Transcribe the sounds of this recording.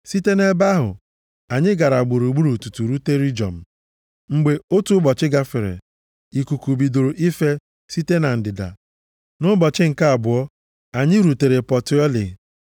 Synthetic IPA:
si˦te˦ne˦ba˦ɦʊ̰˨ | a˨ɲɪ˦ɡa˨ɾa˨ɡ͡bu˨ɾu˨ɡ͡bu˦ɾu˨tu˨tu˨ɾu˦te˦ɾi˦d͡ʒɔ̰˨m̩˨ | ŋ͡m̩˦ɡ͡be˦o˦tu˦bɔ˨t͡ʃɪ˦ɡa˦fɪ˨ɾḛ˨ | i˨ku˨ku˨bi˨do˨ɾo˨ʔi˦fe˦ | si˦te˦na˨n̩˨dɪ˨da̰˨ | nʊ˦bɔ˨t͡ʃɪ˦ŋ̩˨ka˦a˨bʊ˨ɔ˦ | a˨ɲɪ˦ɾu˨te˨ɾe˨pɔ˨tɪ˦ɔ˦lɪ̰˨

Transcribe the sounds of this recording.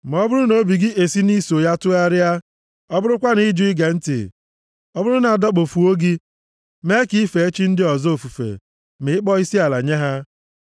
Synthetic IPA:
m̩˨ɔ˦bʊ˦ɾʊ˦no˦bi˨ɡɪ˦ʔe˨si˦ni˦so˨ja˦tʊ˦a˦ɾɪ˦a˦ | ɔ˦bʊ˦ɾʊ˦kʷa˦ni˦d͡ʒu˦i˦ɡa˨n̩˦tḭ˨ | ɔ˦bʊ˦ɾʊ˦na˨a˨dɔ˦k͡po˨fu˨o˦ɡi˦ | me˦ki˦i˦fe˨e˦t͡ʃi˦n̩˦dɪ˦ɔ˨zo˨fu˨fḛ˨ | mɪ˨ɪ˦k͡pɔ˦i˦si˦a˨la̰˨ɲe˦ɦa˦

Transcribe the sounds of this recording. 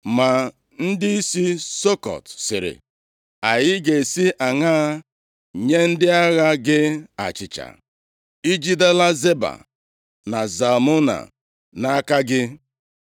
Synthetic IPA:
ma˨ | n̩˦dɪ˦i˦si˦so˦kɔ̰˨tsɪ˨ɾɪ̰˨ | a˨jɪ˦ɡe˨si˦ʔa˨ŋa˦˨ | ɲe˦n̩˦dɪ˦a˦ɣa˦ɡɪ˦a̰˨t͡ʃɪ˨t͡ʃa̰˨ | i˦d͡ʒi˦de˦la˦ze˦ba̰˨ | na˨za˨mo˦na̰˨ | na˦a˦ka˦ɡɪ˦

